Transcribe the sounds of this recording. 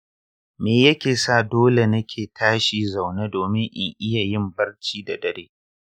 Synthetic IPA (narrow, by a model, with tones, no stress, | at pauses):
meː˨jɐ˦kʲeː˨sa˦˨doː˦le˨nɐ˦kʲʰeː˨tʰaː˦ʃiː˦za˨wneː˦doː˨mɪ˦ŋʔɪ˨ŋʔɪ˦ja˨jɪ˦mbɐ˦rt͡ʃiː˦da˨dɐ˨ɾeː˦